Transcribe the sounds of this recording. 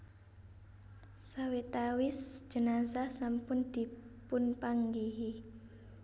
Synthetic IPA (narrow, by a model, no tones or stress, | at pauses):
sawet̪awɪsd͡ʒ̥ə̤nasahsampʊnd̪̥i̤pʊnpaŋɡiɦi